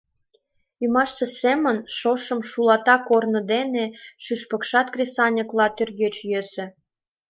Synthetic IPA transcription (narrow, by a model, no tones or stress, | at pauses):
ymɑʃt͡sĕsemə̆nʃoʃə̆mʃulɑt̪ɑkornɤ̆d̪eneʃyʃpə̆kʃɑt̪̚krʲesɑnʲə̆klɑt̪ørjøt͡ɕjøsĕ